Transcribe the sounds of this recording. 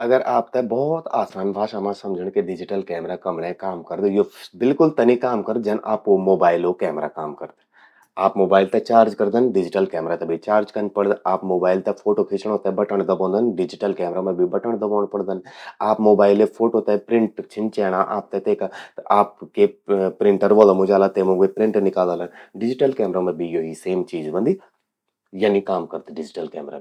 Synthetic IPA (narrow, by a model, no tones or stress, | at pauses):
ɐɡəɾaːp̚t̪ebɔːt̪aːsaːnbʱaːʃɐmãsɐ̃md͡ʒʱəɽ̃keɖɪd͡ʒɪʈəlkɛːmɾakɐmɽekaːmkɐɾd̪ejobɪlkʊlt̪ɐnikaːmkɐɾd̪d͡ʒɐnʔaːpkomoːbaːɪlokɛːmɾakaːmkɐɾt̪e̥ | aːpmoːbaːɪlt̪et͡ʃaːɾd͡ʒkɐɾd̪ənɖɪd͡ʒɪʈəlkɛːmɾat̪ɐbʱit͡ʃaːɾd͡ʒkənpɐɽd̪aːpmoːbaːɪlt̪ɐfʰoːʈopʰit͡ʃəɽ̃ɦoːt̪aɦɛbɐʈəɽ̃d̪ɐbõːnd̪ənɖɪd͡ʒɪʈəlkɛːmɾaməbʱibɐʈəɳ̃d̪ɐboːɽ̃pɐɽd̪ənaːpmoːbaːɪlepʰoːʈot̪apɾɪ̃ɳʈt͡ʃʰɪnt͡ʃɛːɽ̃aʔaːp̚t̪et̪eːkat̪aːpkepɾɪ̃ɳʈəɾʋoːlomʊd͡ʒaːlat̪emõɡepɾɪ̃ɳʈnɪkaːld̪alənɖɪd͡ʒɪʈəlkɛːmɾamɐbʱijoɦiseːmt͡ʃiːzbə̃nd̪i | janikaːmkɐɾt̪eɖɪd͡ʒɪʈəlkɛːmɾa̰